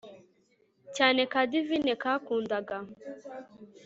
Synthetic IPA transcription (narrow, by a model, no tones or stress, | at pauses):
t͡ʃanɛkadivinɛkakundaɡa